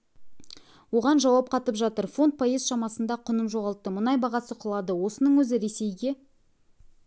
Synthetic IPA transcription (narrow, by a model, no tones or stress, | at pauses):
wo̞ʁɑnʒɑwɑp̚qʰɑt̪əpʒɑt̪əɾfo̞nt̪̚pʰojezʃɑmɑsənd̪ɑqʰʊnəmʒo̞ʁɑlˠt̪ːəmʊnɑjbɑʁɑsəqʰəlˠɑd̪əwo̞sənəɴwɵzɪɾe̞se̞jɡʲe̞